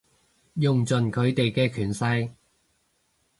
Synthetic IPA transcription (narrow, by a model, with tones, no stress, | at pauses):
jʊ˨ŋt͡sɵ˨˩nkʰɵ˨˧ɥt̪e˨jkɛː˧kʰyː˨˩nsɐ˧j